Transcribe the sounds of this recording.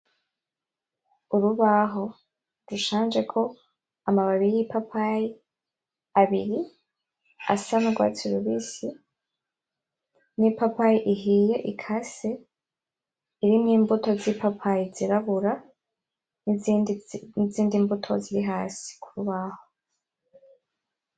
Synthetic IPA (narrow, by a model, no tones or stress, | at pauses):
uɾuβaɦo̞ | ɾuʃaːnd͡ʒe̞kʰo̞ | amaβaβiɾijipapʰaji | aβiɾi | a̰sanaɡwa̰ːt͡siuɾuβiːsi | nipapajiʔiɦije̞ʔikʰase | iɾimŋiːmbuto̞zipapʰajiziɾaβuɾa | n | iziːndimbutʰo̞̰ziɾiɦaːsi̥kʰuɾuβaho̞